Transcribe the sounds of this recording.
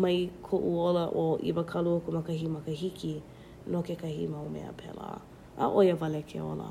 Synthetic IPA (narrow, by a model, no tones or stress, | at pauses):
mɐjkʰoʔuoləʔoʔḭvəkʰɐluokumɐkɐɦimɐkəɦikʰi | lokekɐhḭmɐwmḛə̰pʰɛ̰lə̰ | ʔə̰ʔojəvɐlekʰḛo̰lə̰